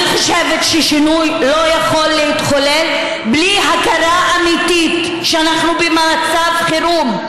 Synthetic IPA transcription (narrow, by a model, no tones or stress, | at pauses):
iχoʃevetʃeʃinujlo̞jaχo̞lːehit̪χolel | bliɦakaɾaʔːmit̪it̪ | ʃeanaχnubemat͡savχiɾum